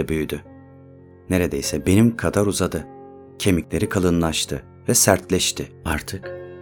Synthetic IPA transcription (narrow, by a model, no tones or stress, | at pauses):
ɛbyjyd̪y | ne̞ɾe̞d̪ejsɛbe̞nimkʰad̪aɾuzad̪ɯ | cʰe̞miclʲe̞ɾikʰalˠɯnlˠaʃt̪ʰɯ | vɛsæɾt̪lʲɛʃt̪ʰɪaɾt̪ʰɯk